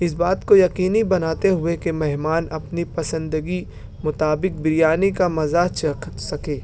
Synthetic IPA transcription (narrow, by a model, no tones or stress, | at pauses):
ɪsbaːt̪kojɐqiːnibɐnaːt̪eɦʊekemɛɦmaːnɐpnipɐsə̃nd̪əɡi | mʊt̪aːbɪk̚bɪɾɪjaːnikamɐzaːt͡ʃsɐkeː